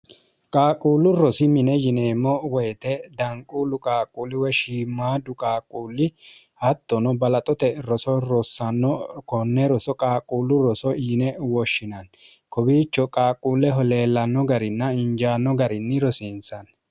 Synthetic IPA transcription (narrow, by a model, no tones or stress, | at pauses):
kʼaːkʼuːlːʊɾɔsɪmɪnɛjɪneːmːɔwɛjt̪ɛd̪ɐŋkʼulʊkʼaːkʼːuːlːɪwɛʃiːmːaːd̪ʊkʼaːkʼːuːlːɪ | hɐt̪ːɔnɔbɐlɐt̪ʼɔt̪ɛɾɔsɔɾɔsːɐnːɔkɔnːɛɾɔsɔkʼaːkʼuːlːʊɾɔsɔjɪnɛwɔʃːɪnɐn | kɔbiːt͡ʃːɔkʼaːkʼːuːlːɛɦɔle̞ːlːɐnːɔɡɐɾɪnːɐɪɲd͡ʒaːnːɔɡɐɾɪnːɪɾɔsɪnsɐn